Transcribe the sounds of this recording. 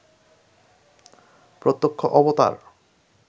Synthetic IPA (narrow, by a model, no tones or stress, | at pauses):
pɾot̪ːokʰːoʔɔbot̪a̰ɾ